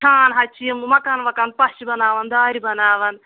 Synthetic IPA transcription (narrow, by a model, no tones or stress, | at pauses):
aːnɦɐt͡ʃʰiɐmmɐkaːnʋɐkɐn̚pɐʃibɐnaːʋɐnd̪aːɾibɐnaːʋɐn